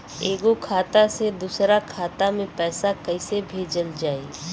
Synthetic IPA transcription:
eːɡokʰaːt̪ased̪uːsɾakʰaːt̪amẽpɛːsakəɪsebʱeːd͡ʒəld͡ʒaːe

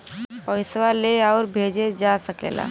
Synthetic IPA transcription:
pɔɪswaleɔːɾbʱeːd͡ʒed͡ʒasəkḛːla̰ː

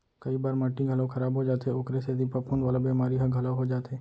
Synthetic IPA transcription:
kɐibaːɾmaːʈːĩɡʱɐlakʰxʰɐɾaːbɦod͡ʒaːt̪ɦɛʊkɾesed̪ipəpʰuːnʋaːlabeːmaːɾiɦɐɡʱɐlaɦod͡ʒaːt̪ɦeː

